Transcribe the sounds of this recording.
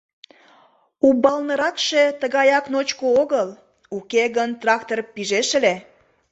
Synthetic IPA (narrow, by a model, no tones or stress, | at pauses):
ubɑlnəɾɑkʃe̽t̪əɣɑjɑknot͡ɕkooɣəl | ukeɣənt̪rɑkt̪orpiʒeʃele